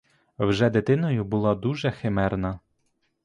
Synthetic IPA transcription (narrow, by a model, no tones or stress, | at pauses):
wʒɛd̪et̪ɪnɔjʊbʊlˠɑd̪uʒɛxemɛrnɐ